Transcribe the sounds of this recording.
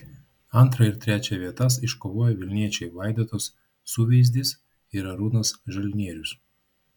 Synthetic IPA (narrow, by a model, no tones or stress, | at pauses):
ɐnt̪ɾɐɪɾt̪ʲɾʲæːt͡ʃʲɛʋʲiɛt̪ɐsɪʃkoːʋoːjɛʋʲɪlʲnʲiɛt͡ʃʲɛɪʋɑˑɪd̪ʲoːt̪oːsː | uːʋʲɛɪzʲd̪ʲɪs | iɾɐɾuːnɐsʒɐlʲnʲiɛɾʲʊs